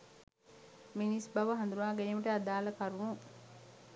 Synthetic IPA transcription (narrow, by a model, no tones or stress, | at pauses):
minisbɐʋəɦɐnd̪uɾunaːɡeniːməʈəad̪aːləkaɾunu